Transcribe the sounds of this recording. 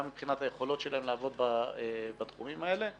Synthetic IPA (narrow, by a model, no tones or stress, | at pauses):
mipχinat̪haje̞χo̞lo̞tʃe̞laɦemlaːvo̞d̪̚baebat̪χumimae̞le̞